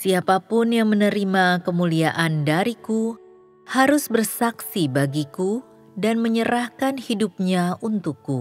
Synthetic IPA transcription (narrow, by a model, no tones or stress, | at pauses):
siapapʊnjaŋmənəɾimakəmuliaʔandaɾiku | haɾʊsbərsaksibaɡiku | danməɲəɾahkanhidup̚ɲaʔunt̪ʊkːu